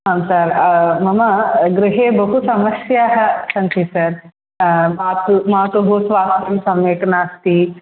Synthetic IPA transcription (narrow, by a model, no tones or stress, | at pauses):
ɦɐmsɐɾmɐmɐɡɾiɦeːbɐɦusɐmɐsjaːɦɐ̆sɐnt͡ʃʰisɐɾ | maːt̪maːt̪ʋɐɦoːsʋaːst̪ɾɐmsɐmeːʈɐnaːst̪i